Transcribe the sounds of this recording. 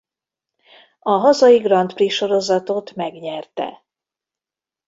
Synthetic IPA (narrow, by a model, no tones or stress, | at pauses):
ɒɦɒzɒjiɡrɒnt̪priʃo̞ɾo̞zɒt̪ot̪mɛɡɲɛrt̪ɛ̰